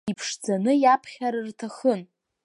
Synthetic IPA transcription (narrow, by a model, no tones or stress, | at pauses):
ipʰʂd͡zanɨjapʰχʲaɾɨrtʰaχən